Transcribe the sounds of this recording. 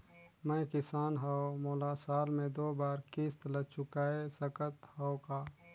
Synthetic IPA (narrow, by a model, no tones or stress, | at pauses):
mɛ̃jkɪsaːnɦaomoːlaːsaːlmẽd̪oːbaːɾkɪst̪lət͡ʃʊkaːesəkət̪haokaː